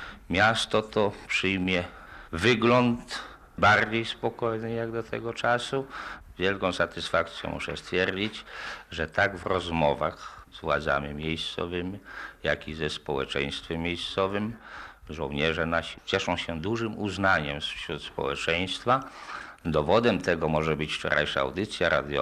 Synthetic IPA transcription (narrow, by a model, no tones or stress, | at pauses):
mʲjast̪ɔt̪ɔpʂɘjmʲjɛ | vɘɡlɔnt̪ | baɾd͡ʑejspɔkɔjnɘjaɡd̪ɔt̪ʰɛɡɔt͡ʂasuvʲjɛlkɔ̃w̃sat̪ɘsfak̚t̪sʲjɛ̰̃mʔṵʂɛ̰st̪fʲjɛɾd͡ʑit͡ɕʐɛt̪aɡvɾɔzmɔvaxzvwa̰d̪za̰mimʲjejst̪sɔ̰vɘmʲijakʲizɛspɔwɛ̰t͡ʂɛ̰j̃st̪fʲɛmʲjejst̪sɔvɘmʐɔ̃w̃ɲɛʐɛnaɕi̥t͡ɕɛʂɔ̃w̃ɕɛd̪uʐɘmuznaɲɛmsfɕɾut̪spɔ̰wɛ̰t͡ʂɛj̃st̪fa | d̪ɔvɔd̪ɛmt̪ɛɡɔmɔʐɛbɘt͡ɕft͡ʂɔ̰ɾʔa̰jʂa̰a̰wd̪ɘt̪sʲjaɾa̰d̪jɔ̰